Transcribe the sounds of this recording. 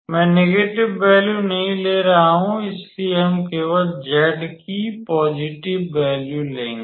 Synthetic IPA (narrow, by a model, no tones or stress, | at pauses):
mɛ̃ːneːɡeːʈɪʋːɛːljunɐɦĩleːɾɐɦaɦũɪslieɦɐmkeːʋəd͡ʒɛːɖkipɔːd͡ʒɪʈɪʋːɛːljulẽːŋɡe